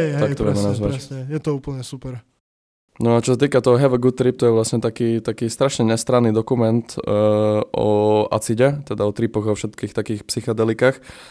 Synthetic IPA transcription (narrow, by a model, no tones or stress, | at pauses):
ɛt̪akt̪ɔʋɛmɛnazʋaɛjɛt̪ɔuːpl̩ɲɛsupɛɾ | nɔat͡ʃɔsat̪iːkat̪ɔɦɔɦɛʋəɡut̪ɾip̚t̪ɔjɛʋlasɲɛt̪akiːt̪akiːst̪ɾaʃɲɛɲɛst̪ɾanːiːd̪ɔkumɛnt̪ | ɔ̰a̰t͡siɟɛt̪ɛd̪aɔt̪ɾipɔɣaɔfʃɛt̪kiːxt̪akiːxpsixad̪ɛlikaːx